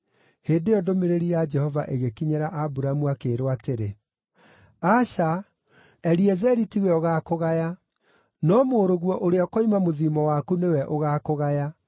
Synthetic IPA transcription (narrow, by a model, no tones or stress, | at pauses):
heːndeɔdomeɾeɾijad͡ʒɛhɔva̰ʔeɣekiɲɛɾaʔabuɾamuakeɾwateɾe | aʃa | ɛɾiɛzɛɾitiwɛoɣakoɣaja | nɔmoːɾoɣwɔʔoɾeakoimamoðimɔwakunewɛʔoɣakoɣaja